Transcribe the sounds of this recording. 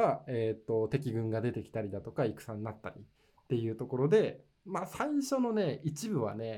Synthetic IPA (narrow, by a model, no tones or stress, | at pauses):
aeːt̪ːo̞t̪e̞kʲiɡɯ̟̃ŋɡad̪e̞t̪e̞kʲi̥t̪aɾʲid̪at̪o̞kaikɯ̟̥sãnːat̪ːaɾʲḭ | t̪ːe̞jɯ̟ːt̪o̞ko̞ɾo̞d̪e̞ | masaiɕo̞no̞ne̞it͡ɕibɯ̟βa̰ne̞